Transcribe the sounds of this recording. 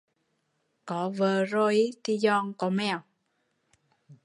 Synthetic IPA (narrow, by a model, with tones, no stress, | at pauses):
kɔ˨˦vəː˧˩ɾo˧i˦t̪i˧zɔ˧ŋkɔ˨˦mɛ˧˨w